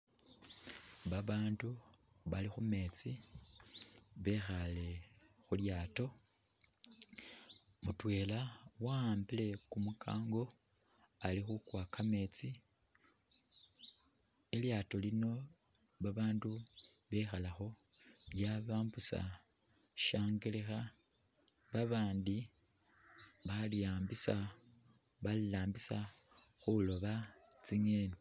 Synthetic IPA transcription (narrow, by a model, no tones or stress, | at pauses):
βaβaːndu | βalixume̞t͡si | βe̞xale̞xuljaːto̞ | mutwe̞ːlawaaːmbile̞kumukʰa̰ːŋɡo̞ | alixukwakʰame̞t͡si | e̞ljaːtolino̞ | βaβaːndu | βe̞xalaxo̞ | jaβaːmbusa̰ | ʃaːŋɡelexa | βaβaːndi | βalijaːmbisa | βalilaːmbisa | xulo̞βa | t͡siŋeːni